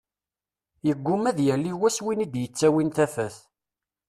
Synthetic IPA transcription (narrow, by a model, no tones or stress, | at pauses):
jəɡʷːʊmæðjælːiwæswinid̪jət͡sːæwint̪æfæθ